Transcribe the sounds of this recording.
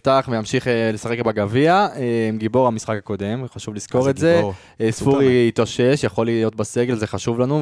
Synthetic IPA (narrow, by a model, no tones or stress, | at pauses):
ftaχvejamʃiχlesaχe̞kbaɡaviaemɡibo̞ʁamisχakako̞de̞mχaʃuvlisko̞ʁetze | sfuʁiit̪aʃe̞ʃjaχo̞lijo̞t̪̚base̞ɡe̞lzeχaʃuvlanu